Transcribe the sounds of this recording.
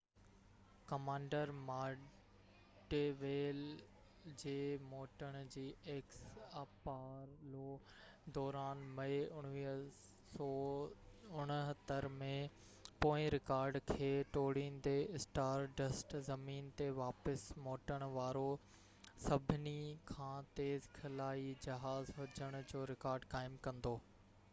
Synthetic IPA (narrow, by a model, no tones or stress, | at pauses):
kɐmãːɳɖəɾmaː | ɖeʋeːl | d͡ʑeːmoːʈəɽ̃d͡ʑiːeːksaːpaːɾloː | d̪ɔːɾaːnmɐeʊɽ̃ʋiː | sɔː | ʊɽ̃ɦɐt̪əɾmẽ | poːɪ̃ɾɪkaːɾɖkʰeːʈoːɽind̪eɪsʈaːɾɖɐsʈzɐmiːnt̪eʋaːpəsmoːʈəɽ̃ʋaːɾo | sɐbʱɪnikʰãːt̪eːzkʰɐlaːid͡ʑɐɦaːzɦʊd͡ʑəɽ̃ʊd͡ʑoːɾɪkaːɾɖkaːɪmkɐ̃nd̪oː